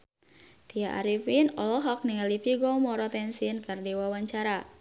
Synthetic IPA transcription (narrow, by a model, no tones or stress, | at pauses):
t̪ijaʔa̰ɾifinɔlɔɦak̚niŋalifiɡɔmɔɾɔt̪ɛnsinkɨrdiwawaɲt͡ʃaɾa